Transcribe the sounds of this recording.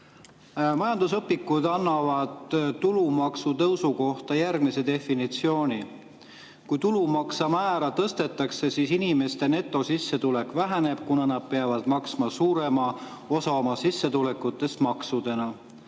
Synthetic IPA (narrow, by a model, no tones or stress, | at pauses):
mɑjɑnd̪usɤpːikːˑud̪ɑnːɑvɑd̪̥ːulumɑksut̪ɤwsuko̞ht̪ɑjærɡ̥mise̞d̪̥e̞fːinit̪sio̞ːnʲi | kujt̪ulumɑksɑmæːɾɑt̪ɤst̪e̞t̪ːˑɑkse̞sisinime̞st̪e̞ne̞t̪ːˑo̞sisːe̞t̪ule̞kˑvæɦæne̞b̥̚kunɑnɑd̪̥̚pe̞ɑvɑd̪̥mɑksmɑsuːɾe̞mɑ | o̞sɑomɑsisːe̞t̪ule̞kːˑut̪ːˑe̞st̪mɑksud̪e̞nɑ